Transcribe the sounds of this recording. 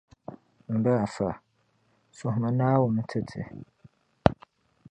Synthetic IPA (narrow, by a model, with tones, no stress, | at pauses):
m̩˨bɛ˦a˨fa˨ | sʊ˨hma˨naː˦wʊ˨m˦tʰɨ˦˨tʰɨ̰˨